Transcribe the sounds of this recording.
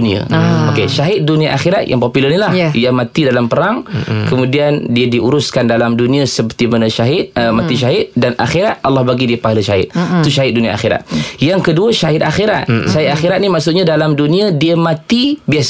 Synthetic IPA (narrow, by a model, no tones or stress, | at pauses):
nia̰okeʃaɦɪt̪̚duniaʔaxiɾat̪̚jʔa̰ŋpopulənilahjamãt̪idalampəɾaŋkəmũdiandiadiʔuɾuskandalamdunĩasəpərt̪imanəʃaɦɪt̪̚əmat̪iʃ̬aɦɪt̪̚dana̰xiɾat̪̚ʔalːɑhbaɡidipaɦaləʃaɪt̪̚t̪uʃaɦɪt̪̚dunĩaʔa̰xiɾa̰t̪̚jaŋkəduəʃaɦɪt̪̚axiɾa̰t̪̚ʃaɦɪt̪̚axiɾat̪̚nimaʔsʊt̪̚ɲãdalamduniadiəmãt̪ibias